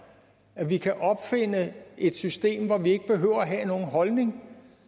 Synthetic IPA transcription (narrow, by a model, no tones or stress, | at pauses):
æʋikʰæʔɒ̽b̥fe̝n̰əe̝d̥sysd̥e̝̰ːmʋɒʋie̝ɡ̥əb̥e̝ɦø̰ʊ̰ɐæɦæno̝ːn̩ɦɒ̽lne̝ŋ